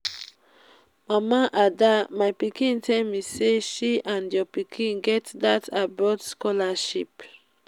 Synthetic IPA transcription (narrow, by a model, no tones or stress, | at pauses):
mamaʔadamajpikĩntʰɛ̃miseʃiãndjɔpikʰĩnɡɛtdatʰabɹɔdskɔlaʃip